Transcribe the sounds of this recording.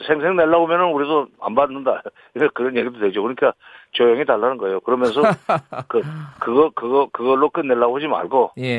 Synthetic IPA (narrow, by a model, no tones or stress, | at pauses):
sʰeŋsʰe̞ŋne̞ɭːaɡomjʌnɯnuɾidoa̰nbanːɯnda | iekɯɾʌnje̞ɡidotwed͡ʑokɯɲik͈at͡ɕojʌŋitaɭːanɯnɡʌe̞jokɯɾʌmjʌnsʰʌkɯkɯɡʌkɯɡʌkɯɡʌɭːok͈ɯnːe̞ɭːaɡohad͡ʑima̰ɭɡoj